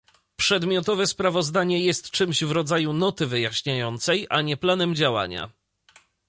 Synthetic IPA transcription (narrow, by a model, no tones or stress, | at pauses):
pʂɛd̪mʲjɔt̪ɔvɛspɾavɔzd̪aɲɛjɛst̪t͡ʂɘmʑvɾɔd̪zajunɔt̪ɘvɘjaɕɲajɔnt̪sɛjʔaɲɛplanɛmd͡ʑawa̰ɲa̰